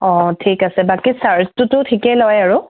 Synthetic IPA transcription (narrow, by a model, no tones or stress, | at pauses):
ɔ̃tʰikasɛbakisaɹstʊtʊtʰikɛlɔjaɹʊ